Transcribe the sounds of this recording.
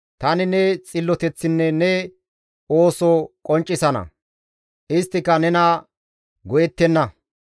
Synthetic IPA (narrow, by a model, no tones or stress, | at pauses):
t̪ɐnɪnɛt͡sʼɪlːɔt̪ɛt͡sːɪnːɛnɛ | oːsokʼɔnt͡ʃʼːɪsɐnɐ̰ | ʔɪst̪ːɪkːɐnɛnɐ | ɡɔjɛt̪ːɛnːɐ